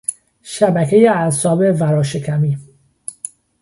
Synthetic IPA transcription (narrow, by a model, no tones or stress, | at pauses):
ʃæbækʰejeæsɒːbevæɾɒːʃekʰæmiː